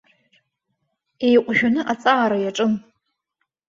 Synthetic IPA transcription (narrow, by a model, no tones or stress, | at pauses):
ejqʷʼʒᶣanɨʔat͡sʼaːɾajaʈ͡ʂʼɨn